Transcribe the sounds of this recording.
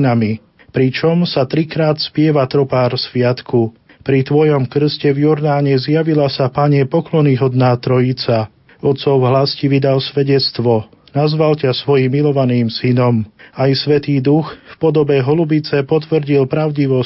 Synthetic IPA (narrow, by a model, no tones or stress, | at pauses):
nami | pɾit͡ʃɔmsat̪ɾikɾaːt̪spɪɛʋat̪ɾɔpaːɾsʋɪat̪kʰu | pɾit̪ʋɔjɔmkr̩scɛvjɔɾd̪aːɲɛzjaʋilasapaɲɛpɔklɔniɦɔd̪naːt̪ɾɔjit͡sa | ɔt̪sɔʊɦlasciʋid̪alsʋɛɟɛt͡st̪ʋɔ | nazʋalcasʋɔjimːilɔʋaniːmsinɔmajsʋɛt̪iːd̪uxfpɔd̪ɔbɛɦɔlubit͡sɛpɔt̪ʋr̩ɟilpɾaʊɟiʋɔ